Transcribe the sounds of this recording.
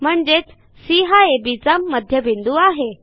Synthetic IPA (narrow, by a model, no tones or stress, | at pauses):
m̤əɳd͡ʑet͡s | siɦaebit͡samːəd̪ʱjəbind̪uaɦe